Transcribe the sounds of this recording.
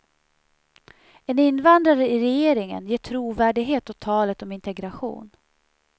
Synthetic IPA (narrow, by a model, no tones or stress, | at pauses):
ɛnɪnːvand̪ɾaɾəɪɾɛjeːɾɪŋə̰njeːʈʰɾuːvæːɖɪɡɦeːt̪ɔt̪ʰɑːlət̪ɔmɪnt̪ɛɡɾaɧṵːn